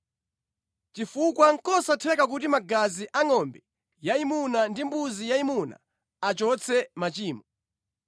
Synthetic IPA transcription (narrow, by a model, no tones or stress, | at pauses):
t͡ʃifukwaŋ̩kɔsatʰɛkakutimaɡaziʔaŋɔmbɛ | jaimunandimbuzijaimuna̰ | at͡ʃɔt͡sʰɛmat͡ʃiːmɔ